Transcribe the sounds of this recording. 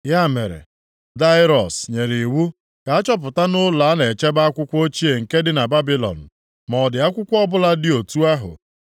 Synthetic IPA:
ja˦˨me˨ɾḛ˨ | da˦ɪ˦ɾɔ˨sɲe˨ɾi˨wu˦ | ka˨a˦t͡ʃɔ˦p̬ʊ˨ta˦nʊ˦la˨a˦ne˨t͡ʃe˦ba˦a˦kʷʊ˦kʷo˦t͡ʃi˦e˨ŋ̩˨ke˦dɪ˦na˨ba˦bi˦lɔ̰˨n̩˨ | mɔ˨dɪ˨a˦kʷʊ˦kʷɔ˦bʊ˦la˦dɪ˦o˨tu˦a˦ɦʊ̰˨

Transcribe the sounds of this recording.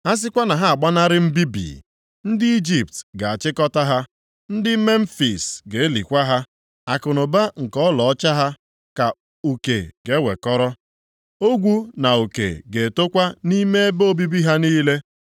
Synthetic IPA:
a˦s̬ɪ˦kʷa˦na˨ɦa˦a˨ɡ͡ba˦na˦ɾɪ˦m̩˦bi˦bḭ˨ | n̩˦dɪ˦i˦d͡ʒi˨p̚tɡa˨a˨t͡ʃɪ˦kɔ˦ta˦ɦa˦ | n̩˦dɪ˦me˦m̩˦fi˨sɡe˨e˦lḭ˨kʷa˦ɦa˦ | a˨kʊ˨nʊ˨ba˦ŋ̩˨kɔ˦lɔ˨ɔ˦t͡ʃa˦ɦa˦ | ka˨ | u˨kḛ˨ɡe˦wʷḛ˨kɔ˦ɾɔ˦ | o˦ɡʷu˦na˨u˨kḛ˨ɡe˨to˦kʷa˦ni˦me˦e˦bo˦bi˦bi˦ɦa˦niː˦le˦

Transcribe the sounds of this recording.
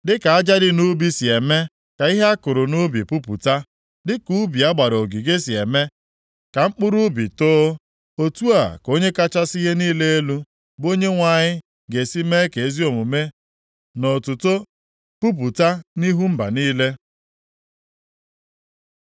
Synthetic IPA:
dɪ˦ka˨a˦d͡ʒa˦ɾɪ˦nu˦bi˦si˨e˨me˦ | ka˨i˦ɦe˦a˦kʊ˨ɾʊ˨nu˦bḭ˨pu˦pṵ˨ta˦ | dɪ˦ku˦bi˨a˦ɡ͡ba˨ɾo˨ɡi˨ɡe˦si˨e˨me˦ | ka˨ŋ͡m̩˦k͡pʊ˦ɾu˦bi˨toː˦ | o˦tu˦a̰˨ko˦ɲe˦ka˦t͡ʃa˦sɪ˦ɣe˦niː˦le˦e˦lu˦ | bo˦ɲe˦ŋʷa˨ɲɪ˦ | ɡe˨si˦me˦ke˨e˦zi˦o˨mu˨me˦ | no˨tuʊ˨to˦ | pu˦p̬u˨ta˦ni˦ɦu˦m̩˦ba̰˨niː˦le˦

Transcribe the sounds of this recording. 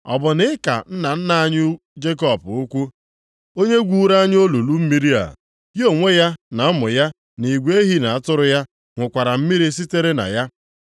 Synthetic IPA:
ɔ̰˨bʊ˨nɪ˦ka̰˨n̩˦na˨n̩˦na˦a˦ɲʊ˦ | d͡ʒe˦k̬ɔ˨pʊ˦kʷu˦ | o˦ɲe˦ɡʷu˦˨˦ɾa˦ɲ˦o˦lu˨lu˦m̩˦mi˦ɾi˦a̰˨ | jo˨ŋʷe˦ja˦na˨˦mʊ˨ja˦ | ni˨ɡʷe˦ɦi˦na˨a˨tʊ˦ɾʊ˦ja˦ | ŋʷʊ˨kʷa˨ɾa˨m̩˦mi˦ɾi˦s̬i˦te˦ɾe˦na̰˨ja˦

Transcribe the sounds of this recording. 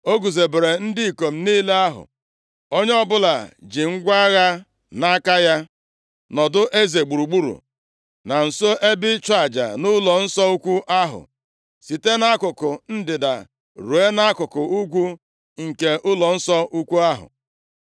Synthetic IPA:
o˦ɡu˨ze˨be˨ɾe˨n̩˦dɪ˦i˨ko˨m̩˦niː˦le˦a˦ɦʊ̰˨ | o˦ɲ˦ɔ˦bʊ˦la˨d͡ʒɪ˨ŋ̩˦ɡʷa˦ɣa˦ | na˦ka˦ja˦ | nɔ˨dʊ˦ʔe˦ze˨ɡ͡bu˨ɾu˨ɡ͡bu˦ɾṵ˨ | na˨n̩˨so˦ʔe˦bɪ˦t͡ʃʷa˨d͡ʒa̰˨nʊ˦lɔ˨n̩˦sɔ˦u˦kʷu˦ʔa˦ɦʊ̰˨ | si˨te˦na˦kʊ˨kʊ˨n̩˦dɪ˨da̰˨ | ɾu˨e˦na˦kʊ˨kʊ˨u˦ɡʷu˦ | ŋ̩˨ke˨ʔʊ˦lɔ˨n̩˦sɔ˦u˦kʷu˦a˦ɦʊ̰˨

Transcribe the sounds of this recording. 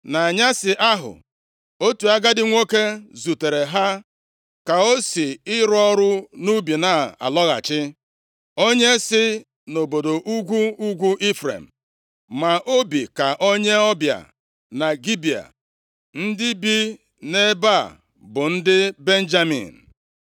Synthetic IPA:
na˨a˨ɲa˦sɪ˨ʔa˦ɦʊ̰˨ | o˦tu˨a˦ɡa˦dɪ˦ŋʷo˦ke˦zu˨te˨ɾe˨ɦa˦ | ka˨o˦si˨ɪ˦ɾʊ˦ɔ˦ɾʊ˦nu˦bi˨na˨a̰˨lɔ˦ɣa̰˨t͡ʃɪ˦ | o˦ɲe˦sɪ˦ | no˨bo˨do˨ʔu˦ɡʷu˦u˦ɡʷu˦ʔi˦fɾḛ˨m̩˨ | ma˨ʔo˦bi˨ka˨ʔo˦ɲe˦ɔ˦bja̰˨ | na˨ɡi˦bi˨a̰˨ | n̩˦dɪ˦bi˦ | ne˦ba˦˨ | bʊ˨n̩˦dɪ˦be˦n̩˦d͡ʒa˦mḭ˨n̩˨

